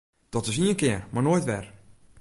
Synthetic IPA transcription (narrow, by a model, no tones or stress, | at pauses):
d̥ɔtɪs̬iənkɪərmaɹnoːjtʋɛr